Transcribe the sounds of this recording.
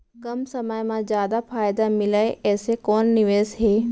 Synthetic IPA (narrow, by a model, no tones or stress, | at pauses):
kɐmsɐməjmãzjaːd̪apʰaːjd̪amɪlaeɛːsekɔːnːɪʋeːzɦeː